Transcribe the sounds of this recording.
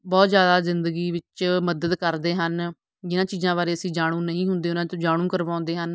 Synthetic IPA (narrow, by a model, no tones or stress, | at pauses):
bɔːt̪zjaːd̪aːzɪnd̪əɡiːʋɪt͡ʃməd̪əd̪kəɾd̪eːɦən | d͡ʒɪnãːt͡ʃiːzãːbaːɾeːəsĩːd͡ʒaːɽ̃ũːnəĩːɦʊnd̪eːʊnãːt̪õːd͡ʒaːɽ̃ũːkəɾʋãːnd̪eːɦən